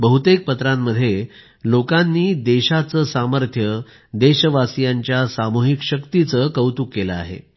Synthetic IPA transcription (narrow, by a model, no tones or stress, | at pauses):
bəɦut̪ek̚pət̪ɾamːəd̪ʱːje | lokanːiːd̪eɕat͡səsaməɾt̪ʰjə | d̪eɕəʋasijaɲt͡ɕjasamuɦikɕəkt̪it͡səkəwt̪uːkːeləa̰ɦḛ